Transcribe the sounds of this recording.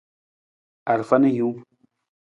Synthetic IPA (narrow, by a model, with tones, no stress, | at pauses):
a˨ɾfa˦ni˦ju˨˦